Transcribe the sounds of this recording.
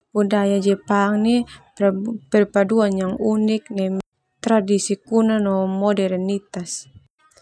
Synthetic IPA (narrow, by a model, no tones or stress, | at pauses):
udajad͡ʒɛpaŋni | pɛrpaduanjaŋunik̚nɛm | t̪ɾadisikunanɔmɔdɛrnit̪as